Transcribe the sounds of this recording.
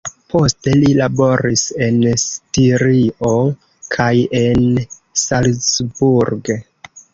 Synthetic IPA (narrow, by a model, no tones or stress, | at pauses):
pʰo̞ste̞lilabo̞ɾise̞nstiɾio | kʰaje̞nsalsbuɾɡ